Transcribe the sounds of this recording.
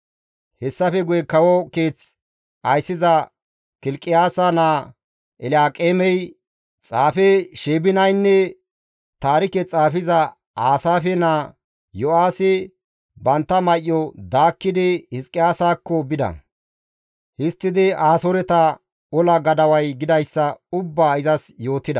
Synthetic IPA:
hɛsːɐfɛɡʊjɛkɐwɔke̞ːt͡s | ɐjsːɪzɐ | kɪlkʼɪjaːsɐnaː | ɛlaːkʼeːmɛj | t͡sʼaːfɛʃeːbɪnɐjnːɛ | t̪aːɾɪkɛt͡sʼaːfɪzɐ | aːsaːfɛnaː | jɔaːsɪ | bɐnt̪ːɐmɐʔːɔd̪aːkːɪd̪ɪhɪskʼɪjaːsaːkːɔbɪd̪ɐ̰ | hɪst̪ːɪd̪ɪaːsoɾɛt̪ɐ | ɔlɐɡɐd̪ɐwɐjɡɪd̪ɐjsːɐʊbːaːɪzɐsjo̞ːt̪ːɪd̪ɐ̰

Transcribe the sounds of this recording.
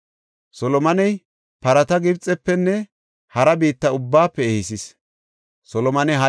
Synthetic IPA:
sɔlɔmɐnɛj | pɐɾɐt̪ɐɡɪbt͡sʼːɛpːɛnːɛ | hɐɾɐbiːt̪ːɐʊbːaːpːɛːhɪsɪs | sɔlɔmɐnɛɦɐ

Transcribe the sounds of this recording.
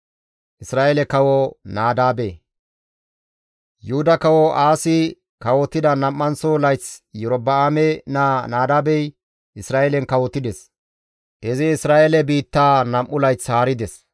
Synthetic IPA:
ʔɪsɾaːʔelɛkɐwɔnaːd̪aːbe | jʊhʊd̪ɐkɐwɔʔaːsɪ | kɐwɔt̪ːɪd̪ɐnɐmːɐnsolɐjt͡sjɛɾɔbɐamɛnanaːd̪aːbɛj | ʔɪsɾaːʔɛlɛnkɐwɔt̪ːɪd̪ɛs | dɛzɛɪsɾaːʔɛlɛbiːt̪ːaːnɐmʔːʊlɐjt͡shaːɾɪd̪ɛs

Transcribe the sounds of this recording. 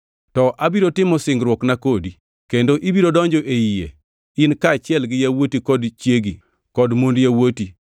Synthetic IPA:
tɔʔabiɾotɪmɔsɪŋɡɾwɔknakodi | kendoʔibiɾodɔɲd͡ʒɔʔejijḛ | ɪnkaːt͡ʃɪɛlɡɪjawotikɔdt͡ʃjeɡi | kɔdmondjawoti

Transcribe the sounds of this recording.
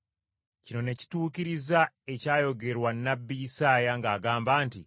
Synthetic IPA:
cino̞ne̞ci̥tuːkiɾiza | e̞caːjo̞ɡe̞ɾwanːabːijisaːjaŋɡaːɡaːmbaːnti

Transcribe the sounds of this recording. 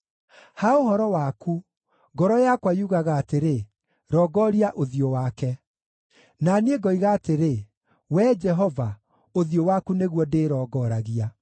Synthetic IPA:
haohɔɾɔwaku | ɡɔɾɔjakwajuɣaɣaːteɾe | ɾɔːɡɔɾiaʔoðiɔwakɛ | nanieɡɔiɣaːteɾe | wɛd͡ʒɛɦɔva | oðjowakuneɣwɔdeɾɔːɡɔɾaɣia

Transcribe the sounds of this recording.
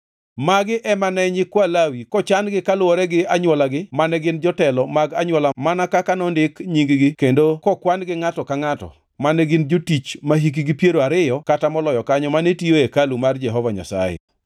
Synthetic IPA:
maɡɪʔɛmanɛɲɪkwalawikɔt͡ʃanɡɪkalwɔɾɛɡɪaɲwɔlaɡɪmanɛɡɪnd͡ʒɔtɛlɔmaɡaɲwɔlamanakakanɔndɪkɲiŋɡɡɪkendokɔkwanɡɪŋatɔkaŋatɔ̰ | manɛɡɪnd͡ʒotit͡ʃmaɦik̬iɡɪpjeɾoaɾɪjɔkatamɔlɔjɔkaɲɔmanetioekalumard͡ʒɛɦɔvaɲa̰sa̰jḛ

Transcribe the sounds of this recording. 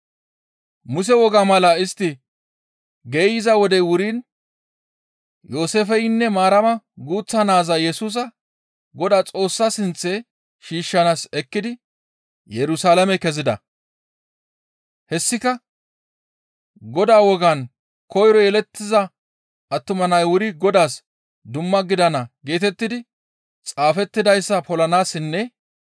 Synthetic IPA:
mʊs̬ɛwɔɡamɐlɐɪst̪ːɪ | ɡeːjɪzɐwɔd̪ɛwʊɾiːn | joːseːfɛjɪnːɛmaːɾɐmɐɡuːt͡sːɐnaːzɐjɛsuːs̬ɐ | ɡɔd̪aːt͡sʼo̞ːsːasɪnt͡sːɛ | ʃiːʃːɐnaːsɛkːɪd̪ɪ | jɛɾʊsaːlɐmɛkɛzɪd̪ɐ̰ | hɛsːɪkɐ | ɡɔd̪aːwɔɡan | kɔjɾɔjɛlɛt̪ːɪzɐ | ɐt̪ːʊmɐnɐjwʊɾɪɡɔd̪aːs | d̪ʊmːɐɡɪd̪ɐnɐɡe̞ːt̪ɛt̪ːɪd̪ɪ | t͡sʼaːfɛt̪ːɪd̪ɐjsːɐpɔlɐnaːsɪnːɛ

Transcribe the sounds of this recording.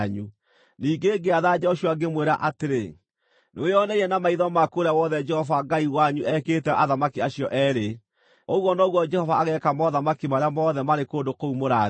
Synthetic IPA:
ɲu | niːɡeɡeaðad͡ʒɛɔʃuwaɡemweɾaʔateɾe | nojɔnɛiɛnamaiðɔmakoɾawɔðɛd͡ʒɛhɔvaɡaiwaɲuʔɛkeːtɛʔaðamakiaɕjɔʔɛɾe | oɣwɔnɔɣwɔd͡ʒɛhɔvaːɣɛkamɔðamakimaɾeamɔðɛmaɾekoːndokoumoɾa

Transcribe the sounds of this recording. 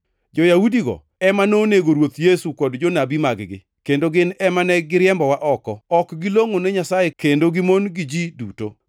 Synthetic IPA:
d͡ʒɔjaudiɡɔ̰ | ɛmanoneɡoɾwot̪jesukɔdd͡ʒonabimaɡɡɪ̰ | kendoɡɪnɛmanɛɡɪɾɪɛmbɔwaʔɔkɔɔkɡɪloŋonɛɲasajekendoɡɪmonɡɪd͡ʒiduto

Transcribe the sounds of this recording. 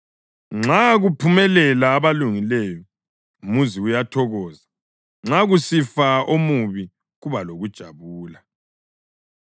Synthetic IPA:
ŋ͡ǁaɣupʰumɛlɛlaːβaluŋilɛjɔ | muziujatʰɔɣɔːza | ŋ͡ǁaɣusifaomuβi | ɣuβaloɣud̥ʒ̥ʱaβuːla

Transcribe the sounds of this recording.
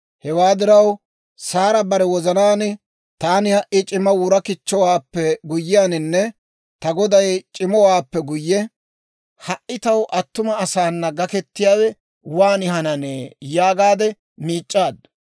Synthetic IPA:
hɛwaːd̪ɪɾɐw | saːɾɐbɐɾɛwɔzɐnaːnɪ | t̪aːnɪhɐʔɪt͡ʃʼɪmɐwʊɾɐkɪt͡ʃːɔwaːpːɛɡʊjːɪjaːnɪnːɛ | t̪ɐɡɔd̪ɐjt͡ʃʼɪmɔwaːpːɛɡʊjːɛ | hɐʔɪt̪ɐwʔɐt̪ːʊmɐːsaːnːɐɡɐkɛt̪ːɪjaːwɛ | waːnɪhɐnɐnejaːɡaːd̪ɛ | miːt͡ʃʼːaːd̪

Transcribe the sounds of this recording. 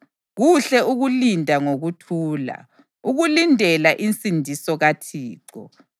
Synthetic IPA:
ɣuɬɛuɣulindʱaŋoɣutʰuːla̰ | uɣulindʱɛlaʔint͡sʼindʱisɔɣatʰiːǀɔ̰

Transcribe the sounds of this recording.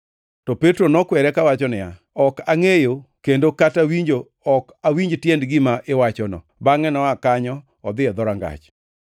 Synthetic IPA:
tɔpetɾonɔkwɛɾɛkawat͡ʃɔnɪja̰ | ɔkaŋejokendokatawiɲd͡ʒo | ɔk | awiɲd͡ʒtjɛndɡɪmaʔɪwat͡ʃɔnɔ̰baŋɛnɔakaɲɔ | ɔd̪ɪjɔd̪ɔɾaŋɡa̰t͡ʃ

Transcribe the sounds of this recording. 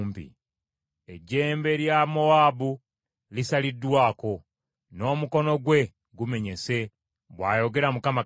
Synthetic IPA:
mpḭ | e̞ɟːe̞ːmbe̞ljamoabu | lisalidːwaːko̞ | no̞ːmuko̞no̞ɡwe̞ | ɡume̞ɲe̞se̞ | βwaːjo̞ɡe̞ɾamukama

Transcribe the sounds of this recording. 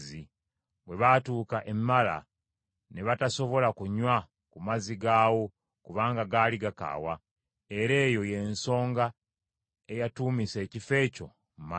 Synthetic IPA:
zi | βwe̞βatuːkaʔemːala̰ | neβataso̞βo̞lakuɲwa | kumaziɡaːwo̞ | kuβaːŋɡaɡaːliɡaka̰ːwa | e̞ɾe̞ːjo̞je̞nso̞ːŋɡa | ejatuːmise̞ːcife̞ːco̞̰ | mma

